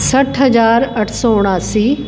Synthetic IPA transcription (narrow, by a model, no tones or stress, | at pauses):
sɐʈʰɦɐzaːɾɐʈʰsɔːʊɽ̃aːsiː